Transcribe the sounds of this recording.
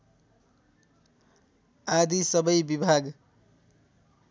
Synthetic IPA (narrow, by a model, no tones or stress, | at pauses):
ad̪isʌbʌjbibʱaɡ